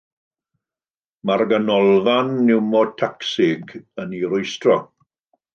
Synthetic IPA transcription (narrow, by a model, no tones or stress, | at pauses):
marɡanɔlˠvanːɪwmɔtʰaksɪɡəniɾʊjstrɔ